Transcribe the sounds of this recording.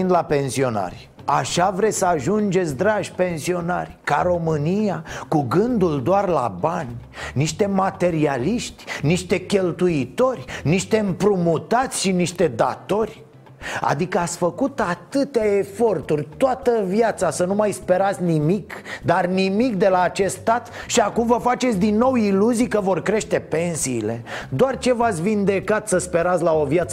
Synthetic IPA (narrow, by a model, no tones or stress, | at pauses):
nd̪lape̞nsio̞na̰rʲ | aʃavɾesəaʒund͡ʒe̞t̪sʲd̪ɾaʒʲpe̞nsio̞narʲkaɾo̞mɨniakuɡɨnd̪uld̪oarla̰banʲniʃt̪e̞mat̪e̞ɾialiʃt̪ʲniʃt̪e̞kʲe̞lt̪uit̪o̞rʲniʃt̪e̞ɨmpɾumut̪at̪sʲʃiniʃt̪e̞d̪a̰t̪o̞rʲ | a̰d̪ikəat̪sʲfəkut̪at̪ɨt̪aefo̞rt̪urʲt̪oat̪əvjat̪sasənumajspe̞ɾat̪sʲnimikd̪arnimikd̪e̞laːt͡ʃe̞st̪t̪at̪ʃiakumvəfat͡ʃet̪sʲd̪inːo̞wiluzijkəvo̞rkɾe̞ʃt̪e̞pe̞nsiːle̞d̪oart͡ʃe̞vat̪sʲvind̪e̞kat̪səspe̞ɾat̪sʲlao̞vjat̪sə